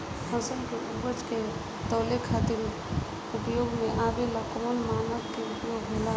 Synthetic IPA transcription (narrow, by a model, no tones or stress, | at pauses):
hə̃səlkeʔubət͡ʃke | t̪ɔːlekʰat̪ɪɾ | ʊpjoːɡmẽʔaːʋelakɔmənmaːnətkeʊpjoːɡɦela